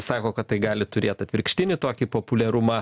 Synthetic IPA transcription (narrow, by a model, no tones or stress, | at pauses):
sɑːkoːkɐt̪t̪ːɐɪɡɑːlʲɪt̪ʊɾʲeːt̪ɐt̪ʲʋʲɪɾʲkʃʲt̪ʲɪnʲɪt̪oːkʲɪpoːpʊlʲɛɾʊmɑ